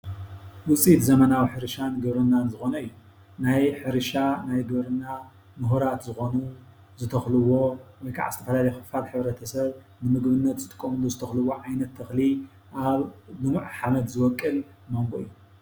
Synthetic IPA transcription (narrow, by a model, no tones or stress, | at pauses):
wʊt͡sʼit̪zɐmɐnawiħɨɾɨʃanɡɨβɾɨnːanzɨxo̞nɐɨjːu | najħɨɾɨʃanajɡɨβɾɨnːa | mɨɦuɾat̪zɨxo̞nu | zɨt̪ʰɐxlɨwo̞wɔjkʰa̰ʕa̰zɨt̪ʰɐfɐlalɐjxɨfalħɨβɾɐt̪ʰɐsɐβ | nɨmɨɡβɨnːɐt̪zɨt̪ʼɨ̥kʼːomɨluzɨt̪ʰɐxlɨwoʕajnɐt̪ʰːɐxli | ʔaβlɨmʕħamɐt̪zɨwɔkʼːɨl | mo̞ŋɡoɨijːu